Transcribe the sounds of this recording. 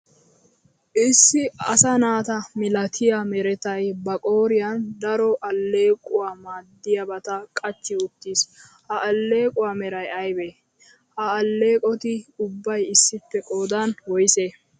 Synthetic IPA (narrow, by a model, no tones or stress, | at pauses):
ʔɪsːɪɐsɐnaːt̪ɐmɪlɐt̪ʰɪjamɛɾɛt̪ɐjbɐkʼoːɾɪjɐnd̪ɐɾɔʔɐlːe̞ːkʼʊwaːmaːd̪ːɪjɐbɐt̪ɐkʼɐt͡ʃːɪʊt̪ːiːs | hɐʔɐlːe̞ːkʼʊwaːmɛɾɐjɐjbeː | hɐːlːe̞ːkʼɔt̪ɪʊbːɐjɪsːɪpːɛkʼoːd̪ɐnwɔjseː